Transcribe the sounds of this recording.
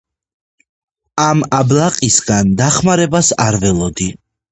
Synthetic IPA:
amablˠaqʼisɡand̪aχmaɾɛbasaɾvɛlˠɔd̪i

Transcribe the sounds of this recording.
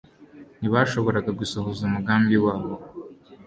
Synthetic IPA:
niβaʃo̞βo̞ɾaɡaɡusoɦozumuɡaːmbiwaːβo

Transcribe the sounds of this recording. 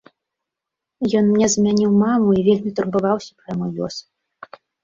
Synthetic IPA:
jɔnmnʲɛzmʲanʲiwmamuivʲelʲmʲit̪urbɨvawsʲɐ̥pɾamɔlʲɔ̰s

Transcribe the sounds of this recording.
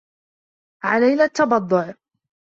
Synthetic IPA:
ʕalajnat̪ːɑbɑd̪ˤːʊʕ

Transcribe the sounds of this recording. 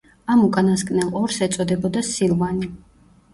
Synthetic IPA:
amukʼanaskʼnɛlˠɔɾsɛt̪sʼɔd̪ɛbɔd̪asilˠvani

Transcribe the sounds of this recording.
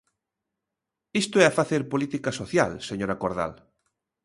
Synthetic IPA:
ist̪oɛafaθeɾpolit̪ikasoθja̰lseɲoɾakoɾða̰l

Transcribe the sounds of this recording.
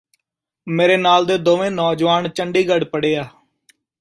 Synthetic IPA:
meːɾeːnaːld̪eːd̪oːʋẽːnɔːd͡ʒʋaːnt͡ʃəɳɖiːɡəɖpəɽeːaː

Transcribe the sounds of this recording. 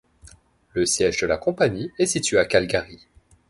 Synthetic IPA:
ləsjɛʒd̪əlakɔ̃paɲiɛsit̪ɥeakalɡaʁi

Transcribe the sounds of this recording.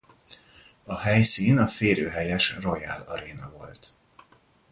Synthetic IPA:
ɒhɛjsiːnɒfeːɾøːɦɛjɛʃro̞jɛ̰lɒɾeːnɒvo̞lt̪

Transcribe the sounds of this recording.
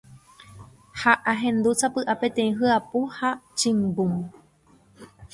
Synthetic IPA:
haʔaɦẽ̞nd̪ut͡sapɨʔape̞t̪ẽ̞ĩɦɨapuhat͡ʃɨ̃mbum

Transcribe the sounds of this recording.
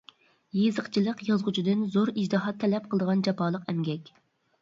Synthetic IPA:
jezəqt͡ʃʰilˠəqjɑzʁʊt͡ʃʰid̪ɨnzoɾid͡ʒd̪ɨɦɑt̪ʰːɛlɛp̚qʰəlˠd̪əʁɑnd͡ʒɑpɑːlˠəqɛmɡʲɛkʲ

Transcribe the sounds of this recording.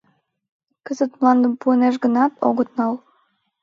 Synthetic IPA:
kəzət̪mlɑnd̪əmpuəneʃ̬ɣənɑt̪o̰ɣət̪̚nɑl

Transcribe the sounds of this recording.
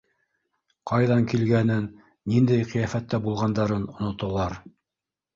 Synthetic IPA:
qɑjðɑŋkilɡænɘnː | ind̪æjqĭjæfæt̪ːæbulˠʁɑnd̪ɑɾɤnŏnŏt̪ŏlˠɑɾ

